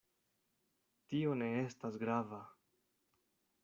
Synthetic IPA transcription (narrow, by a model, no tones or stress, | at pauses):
tio̞ne̞e̞stasɡɾava